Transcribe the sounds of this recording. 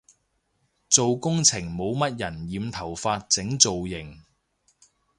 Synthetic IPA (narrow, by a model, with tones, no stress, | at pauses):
t͡so˨wkʊ˥ŋt͡sʰɪ˨˩ŋmo˨˧wmɐ˥t̚jɐ˨˩njiː˨˧mt̪ʰɐ˨˩wfaː˧t̚t͡sɪ˨˥ŋt͡so˨wjɪ˨˩ŋ